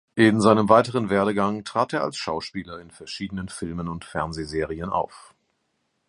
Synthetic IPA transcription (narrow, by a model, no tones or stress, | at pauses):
ʔɪnzaɪnəmvaɪtəʁ̞ənveːɐɾəɡaŋtʁ̥aːteːɐa̰lsʃaʊʃpiːlɐɪnfɛɐʃiːdənənfɪlmənʊntfɛɐnzeːzeːʁ̞iəna̰ʊf